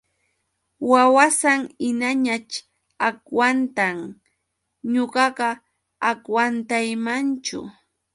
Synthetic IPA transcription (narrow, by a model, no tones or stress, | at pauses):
wawasaŋɪnaɲat͡ʃ | akwant̪aŋ | ɲoɢɑɢɑ | akwant̪ajmant͡ʃʊ̰